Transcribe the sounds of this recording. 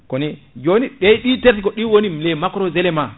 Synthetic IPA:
kɔnɛ | d͡ʒoniɓɛjɗiteɾtikɔɗiwonilɛmakɾɔzɛlɛma

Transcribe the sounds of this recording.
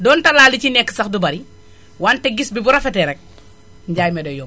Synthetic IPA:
dɔːntɐlaːlicinɛkːsɐxdubɐɾi | waːntɛɡisbibuɾɐfɛtɛɾɛk̚ | ɲɟaːjmɛdojɔ

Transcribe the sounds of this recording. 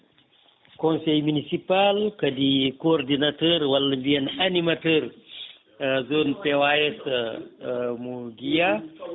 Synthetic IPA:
kɔ̃nsɛjminisipalkɐdikoːrdinatəːɾwɐlːɐmbiɛnɐnimatəːr | zoːnpewajɛsɐ | muɡija

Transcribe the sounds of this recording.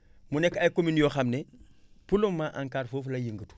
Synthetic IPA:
munekːajkominjoːxamne | pulumːaʔaŋkaːɾfoːflajiŋɡətu̥

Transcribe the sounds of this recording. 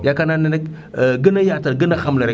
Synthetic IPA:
jakananenek | ɡənajataɡɨnaxamlɐɾe

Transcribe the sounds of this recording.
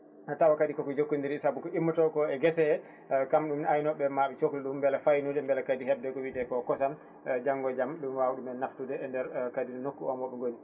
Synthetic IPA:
atawakaɗikɔkɔd͡ʒokːundiɾsabukɔimːutɔkɔɛɡɛsɛ | kamɗumajnɔɓɛmaɓɛt͡ʃokluɗumːbɛlafajnudɛmbɛlakadihɛbdɛkɔwitɛkɔkɔsam | d͡ʒaŋɡɔd͡ʒamɗumwawuɗumɛnaftudɛːndɛɾkadinɛnokːuɔmɔɓɛŋɡoni

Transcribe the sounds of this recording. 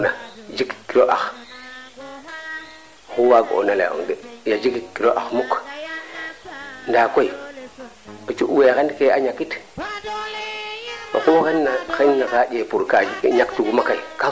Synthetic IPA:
nad͡ʒikkːiɾoʔa̰x | xuwaɡo̰nalḛo̰ŋɡejad͡ʒikikːiɾoʔaxmuk | ndakoi | ot͡ʃuʔwexendkeaɲakit | o̰kukenːaxennakad͡ʒepuɾkaɲaktuɡumakaika

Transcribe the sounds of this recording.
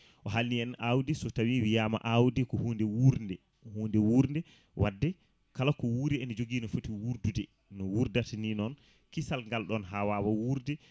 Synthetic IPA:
ʔɔɦalːiɛnʔawdɛsɔtawiwijaːma̰ʔawdɛkɔhuːndɛwuɾndɛ | huːndɛwuɾndɛ | wʔadːɛ | kalakɔwuɾɛɛnd͡ʒoɡiːnɔfotiwuɾdudɛ | nɔwuɾdataninɔn | kisalŋɡalɗɔnɦawaːwawuɾdɛ

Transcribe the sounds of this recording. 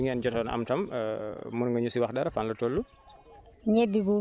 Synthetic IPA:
iŋand͡ʒɔtɔnʔa̰mtam | mɔnŋɡaɲusiwaxdaɾafanlɔtolːu | ɲebːibu

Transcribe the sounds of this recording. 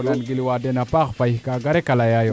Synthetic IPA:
nanɡiliwadenapakpaihkaɡaɾekalajajo

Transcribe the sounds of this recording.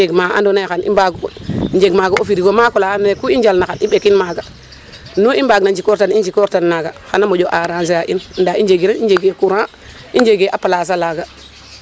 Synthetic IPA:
eɡmaa̰ndonexanḭmbaɡkoɲd͡ʒeɡmaɡaofiɾiɡomakolaanekuind͡ʒalnaxaniɓekinmaɡa | nuimbaɡnand͡ʒikoɾtanind͡ʒikoɾtanːaɡaxanamod͡ʒoʔaɾans̬ijaʔinndaind͡ʒeɡiɾenid͡ʒeɡekuɾã | id͡ʒeɡeʔapalaːs̬alaːɡa

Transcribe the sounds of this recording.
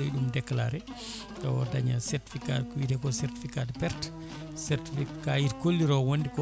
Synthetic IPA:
ojɗumdɛkːla̰ɾɛ | tɔwɔdaɲasɛɾti̥fikatkɔwitɛkɔsɛɾti̥fikadpɛɾt | sɛɾtifikajiɾkolːiɾɔwondikɔ

